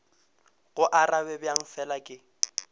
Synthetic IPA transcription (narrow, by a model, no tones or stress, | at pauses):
ɣʊʔarabɛbjaŋ̩fɛlakʼɪ